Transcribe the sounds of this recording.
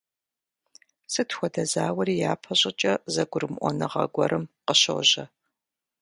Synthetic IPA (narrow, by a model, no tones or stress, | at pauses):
sɨtʰxʷɔdɐzaːwɐɾiːjaːpʰɐɕʼɪt͡ʃʼɐzɐɡʷʊrɨmʔʷɔ̰nɨʁɐ̰ɡʷɔ̰ɾɨmqəɕɐ̰wʑɐ